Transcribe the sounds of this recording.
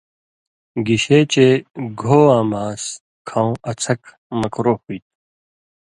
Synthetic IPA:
ɡiɕeːt͡ɕeɡʱoːãːmaːs | kʰãw̃ʔɐt͡sʰɐk | mɐkɾoːhuit̪̚

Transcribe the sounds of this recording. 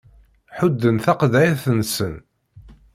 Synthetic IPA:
ħʊd̪ːənθɑqðæjθənsən

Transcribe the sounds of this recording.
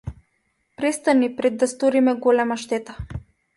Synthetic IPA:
pɾɛst̪anipɾɛd̪ːast̪ɔɾimɛɡɔlɛmaʃt̪ɛt̪a

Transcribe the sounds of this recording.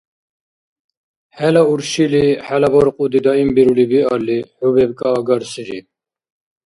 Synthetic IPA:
hɛlauɾʃiliħælabɔɾqʼud̪id̪ɑimbiɾulibiɑliħubɛbkʼɑːɡɑɾsiɾḭ

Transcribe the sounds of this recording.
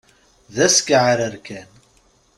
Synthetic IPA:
ðæskʕaɾəɾkæn

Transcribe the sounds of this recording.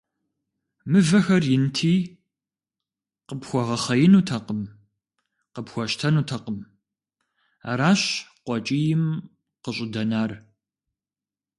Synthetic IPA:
mɨvɐxɐrjɪntʰiː | qəpxʷɔʁɐχɐjɪnuːtʰɐqəm | qəpxʷɔʃtʰɐnuːtʰɐqəm | a̰ɾaːɕqʷɔt͡ʃʼiːjɪm | qəɕʼɪdɐnaːr

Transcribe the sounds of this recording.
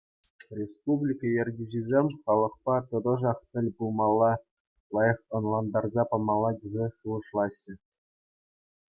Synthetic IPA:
rʲespublʲikɑjerʲɡʲyʑizʲemʲχɑlˠɤ̆χpɑt̪ɤ̆d̪ɤ̆ʐɑχpʲɘ̆lʲbulˠmɑlˠːɑ | lˠɑjɤ̆χɤ̆nlˠɑnd̪ɑrzɑpɑmɑlˠːɑdʲezʲeʂuɤ̆ʂlˠɑɕːɘ̆

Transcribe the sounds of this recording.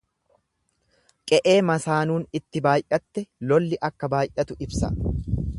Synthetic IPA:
kʼɛʔe̞ːmɐsaːnuːnɪt̪ːɪbaːjʔɐt̪ːɛlɔlːɪʔɐkːɐbaːjʔɐt̪ʊɪbsɐ̰

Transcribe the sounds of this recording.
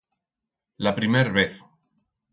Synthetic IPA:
lapɾimeɾβeθ

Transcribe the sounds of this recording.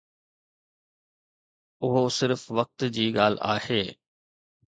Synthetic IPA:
ʊɦosɪɾfʋɐk̚t̪d͡ʑiːɠaːl̤aːheː

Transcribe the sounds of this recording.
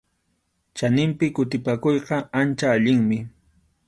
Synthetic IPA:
t͡ʃanɪmpɪkʊt̪ɪpakojqɑant͡ʃaːʎɪŋmɪ

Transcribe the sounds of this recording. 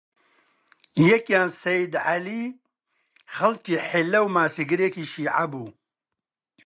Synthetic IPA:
jɛkjaːnsɐjd̪ʕali | χɐlkiːħelːɐwmaːsiɡɨɾekiːʃiːʕa̰buː

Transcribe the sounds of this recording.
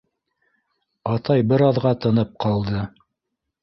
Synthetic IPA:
ɑt̪ɑjbɘɾɑðʁɑt̪ɤ̆nɤp̚qɑlˠd̪ɤ

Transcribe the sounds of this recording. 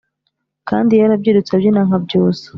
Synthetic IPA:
kaːndijaɾabɟiɾut͡sabjinaŋ̥habɟoːse̥

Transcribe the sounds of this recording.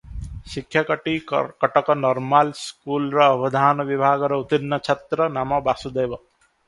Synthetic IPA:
ʃikʰjakəʈikʌʈɔkɔnɔɾmalskulɾʌːbʌd̪ʱaːnɔʋibʱaːɡɔɾɔut̪inːʌt͡ʃʰet̪ɾʌnamɔbasud̪ejbʌ

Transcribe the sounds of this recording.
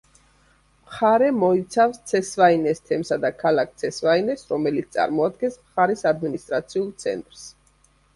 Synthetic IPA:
mχaɾɛmɔit̪sʰafst̪sʰɛsvainɛst̪ʰɛmsad̪akʰalak̚ʰt̪sʰɛsvainɛsɾɔmɛlit̪st̪ʼa̰ɾmɔad̪ɡɛnsmχaɾisad̪minist̪ʼɾat̪sʰiulˠt̪sʰɛ̰nt̪ʼɾs

